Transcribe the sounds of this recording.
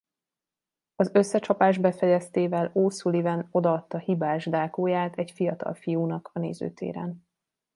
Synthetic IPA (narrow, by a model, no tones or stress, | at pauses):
ɒzø̞sːɛt͡ʃɒpaːʒbɛfɛjɛst̪eːvɛloːsulivɛno̞d̪ɒːt̪ːɒhibaːʒd̪aːkoːjaːt̪ʰɛɟfijɒt̪ɒ̰lfijuːnɒkʰɒnḛːzø̰ːt̪ʰḛːɾɛ̰n